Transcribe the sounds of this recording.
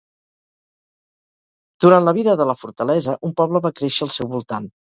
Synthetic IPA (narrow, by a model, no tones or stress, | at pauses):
d̪̥uɾant̪ləβ̞iðəðələfuɾt̪əlɛzəʔumpɔβləβakɾeʃəːlˠsɛwβulˠt̪an